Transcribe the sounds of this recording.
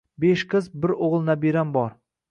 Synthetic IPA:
beʃqʰɨzbɪɾoʁlˠnabiɾambɒɾ

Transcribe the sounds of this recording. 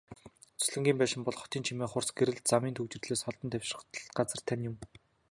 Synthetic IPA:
t͡sʰɵ̥ɮɘ̆ŋɡʲiːmpæːʃɪ̆mpɔɮχɔ̥t̪iːnt͡ɕʰimeːχʊrsɡeɾɘ̆ɮt̪̚t͡samiːnt̪ʰɵkt͡ɕɪ̆rɮeːsχɔɮt̪ɞ̆nt̪ʰæw̥ʲʃrə̆χt̪ʰə̆ɬt̪ɢat͡sə̆r̥t̪ʰanjʊm

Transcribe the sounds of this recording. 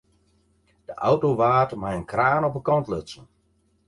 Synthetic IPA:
d̥əʔawtoʋaːtmajənkraːnɔpəkɔntløsən

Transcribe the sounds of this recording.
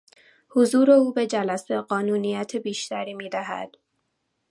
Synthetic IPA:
hozuːɾe̞uːbe̞d͡ʒælæseɢɒːnuːnijæt̪ʰebiːʃt̪æɾiːmiːd̪æɦæ̰d̪̥

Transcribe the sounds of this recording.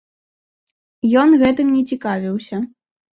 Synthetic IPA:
jɔnɣɛt̪ɨmnʲɛt͡sʲikavʲiwsʲɐ

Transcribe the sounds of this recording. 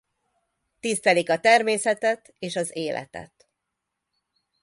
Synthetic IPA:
t̪ist̪ɛlikɒt̪ɛrmeːsɛt̪ɛt̪ | eːʃɒzeːlʔɛ̰t̪ɛ̰t̪

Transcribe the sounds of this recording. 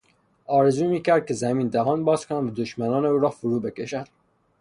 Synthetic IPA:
ɒːɾezuːmiːkʰæɾd̪̚kʰezæmiːnd̪æɦɒːnbɒːzkʰonævæd̪oʃmænɒːneuːɾɒːfʊɾuːbekeʃæd̪̥

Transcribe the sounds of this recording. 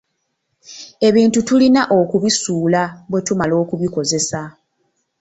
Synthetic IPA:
e̞βiːntutulinaʔo̞kuβisuːlaβwe̞tumalo̞ːkuβiko̞ze̞sa

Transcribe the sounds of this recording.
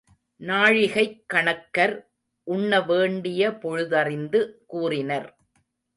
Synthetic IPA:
naːɻɪɣɐɪkːɐɳɐkːɐɾ | ʔʊɳːɐʋeːɳɖɪjɐpɔɻʊðɐrɪnd̪ɯkuːrɪnɐɾ

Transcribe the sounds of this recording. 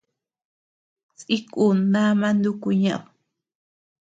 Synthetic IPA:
t͡sʼɪkʼunamand̪ʊkʊɲa̰w

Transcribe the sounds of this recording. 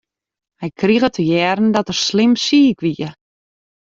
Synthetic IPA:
hɛjkʰriɣətʰəjɛːrn̩dɔtərslɪmsiːkʋiə

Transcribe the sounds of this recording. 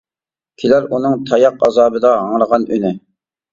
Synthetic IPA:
kʲʰilæɾunɨŋt̪ʰɑjɑqɑ̰zɑːbɨd̪ɑɦɑŋɾəʁɑnynɪ

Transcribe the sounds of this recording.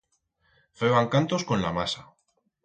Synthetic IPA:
feβaŋkant̪o̞sko̞nlamasa

